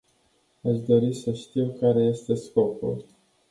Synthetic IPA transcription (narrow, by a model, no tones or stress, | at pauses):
aʃd̪o̞ɾisəʃt̪iwkaɾe̞je̞st̪e̞sko̞pṵl